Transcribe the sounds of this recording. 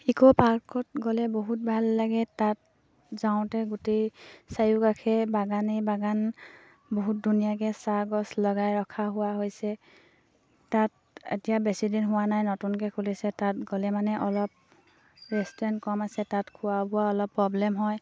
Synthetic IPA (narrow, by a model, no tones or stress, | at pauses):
ikɔpaɹkɔt̚ɡɔlɛboɦut̚bʱalːaɡɛtat̚ | zaʊ̃tɛɡutejsajukakʰɛbaɡanebaɡan | boɦut̚dunijakɛsaɡɔslɔɡajɹɔkʰaɦʊwaɦojsɛ | tat | ḛtijabɛsidinɦʊwanajnɔtunkɛkʰulisɛtat̚ɡɔlɛmanɛʔɔlɔp̚ | ɹɛstɔɹɛntkɔmasɛtatkʰʊwabʊaɔlɔpːɹɔblɛmɦɔj